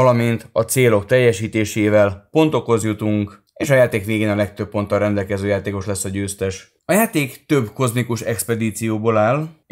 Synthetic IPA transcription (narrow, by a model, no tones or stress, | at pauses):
ɒlɒmint̪ɒt̪seːlo̞k̚t̪ɛjːɛʃiːt̪eːʃeːvɛlpo̞nt̪o̞ko̞zjut̪uŋk | eːʃɒjaːt̪eːkʋeːɡeːnɒlɛk̚t̪øp̚ːo̞nt̪ːɒlɾrɛnd̪ɛlkɛzøːjaːt̪eːko̞ʃlɛsːɒɟøːst̪ɛʃ | ɒjaːt̪eːkt̪ø̞bko̞zmikuʃɛkspɛd̪iːt̪sijoːbolaːl